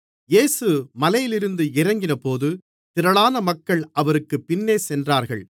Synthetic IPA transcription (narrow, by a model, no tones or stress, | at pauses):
jeːsɯmɐlɐjɪlɪɾɯnd̪ɯɪɾɐŋɡɪnɐpoːðɯ | t̪ɪɾɐɭaːnɐmɐkːɐɭʔɐʋɐɾɯkːɯpːɪnːeːsɛndraːɾɣɐ̰ɭ